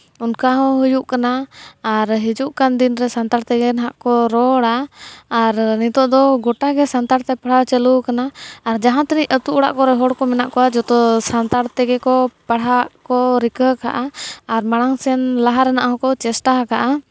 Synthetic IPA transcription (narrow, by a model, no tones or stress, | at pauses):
unkaɦɔ̃ɦujuʔkanaː | ɾɦid͡ʒuʔkand̪inɾɛsant̪aɽt̪ɛɡɛnɦaʔkɔɾɔɽaː | ɾnit̪ɔʔd̪ɔɡɔʈaɡɛsant̪aɽt̪ɛpaɽ̤at͡ʃɛlukanaːɾd͡ʒaɦãt̪ɛniʔət̪uʔuɽa̰ʔkɔɾɛɦɔɽkɔmɛnaʔkɔwad͡ʒɔt̪ɔsant̪aɽt̪ɛɡɛkɔpaɽ̤aʔkɔɾikəkaʔaːɾmaɽ̃aŋsɛnlaɦaɾɛnaʔɦɔ̃kɔt͡ʃɛsʈaakaʔa